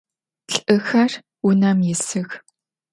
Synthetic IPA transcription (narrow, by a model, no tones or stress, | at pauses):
ɬʔɨxɐr | unɐmjɪsɨɣ